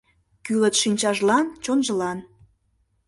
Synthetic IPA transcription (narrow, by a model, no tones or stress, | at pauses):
kylət̪ʃinʲt͡ɕɑʒlɑnt͡ɕonʒəlɑn